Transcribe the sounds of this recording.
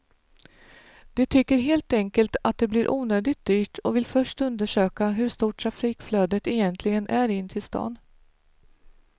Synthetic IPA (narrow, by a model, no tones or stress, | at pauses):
d̪̥ɛt̪ʰʏkːəɾɦeːlt̪ɛŋkəlt̪at̪̚d̪ɛblɪɾʔuːnøːd̪ɪt̪̚d̪yːʈɔvɪlfœʂʈɵnd̪əʂøːkaɦɵʂt̪uːʈʰːɾafiːkfløːd̪ət̪ɛjɛnt̪ʰlɪɡənʔæɾɪnːt̪ʰɪlst̪ɑ̰ːn